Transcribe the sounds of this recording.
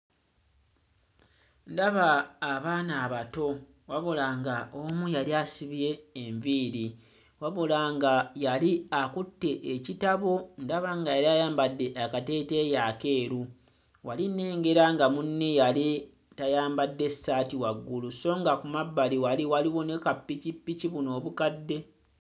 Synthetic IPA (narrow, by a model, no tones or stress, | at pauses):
ndaβaːβaːnaːβato̞ | waβolaŋɡaomujaliasiβije̞ːɱviːɾi | waβolaŋɡajaliakutːe̞ʔecitaβo̞ndaβaŋɡajaɾiajaːmbadːe̞ʔakate̞ːte̞ːjaːke̞ːɾu | walinːe̞ːŋɡe̞ɾaŋɡamunːejali | tajaːmbadːe̞sːaːtiwaɡːuluso̞ːŋɡakumabːaliwaliwaliwo̞ne̞kapːicipːiciβuno̞ːβukadːe̞